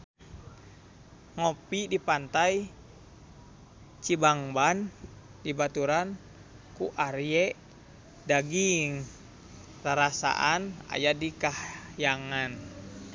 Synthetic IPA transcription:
ŋɔpidipant̪aj | t͡ʃibaŋban | dibat̪uɾan | kuʔaɾjɛ | daɡiŋ | raɾasa̰ʔana̰jadikahjaŋan

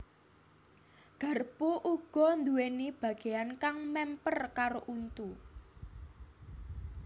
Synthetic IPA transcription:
ɡ̥a̤rpuʔuɡ̥ɔ̤nd̪uwenib̥ä̤ɡ̥e̤jankaŋmɛmpərkaɾoʔunt̪u

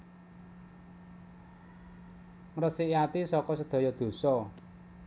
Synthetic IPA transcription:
ŋrəsiʔiat̪isɔkɔsəd̪̥o̤jɔd̪̥o̤sɔ

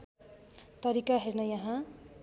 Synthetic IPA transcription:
t̪ʌɾikaɦernʌjʌɦã

